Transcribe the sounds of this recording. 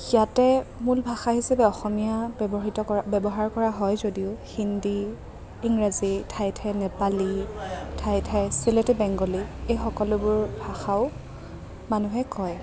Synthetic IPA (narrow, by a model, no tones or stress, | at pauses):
jatɛmulbʱaxaɦisapɛɔxɔmijabbɔɦitɔɔbɛbɔɦaɹkɔɹaɦɔjzodiʊhindi | iŋɹazitʰajtʰajnɛpalitʰajtʰajsiletɛbɛŋɡɔliejxɔkɔlʊbʊɹbʱaxaʊ | manuɦɛkɔj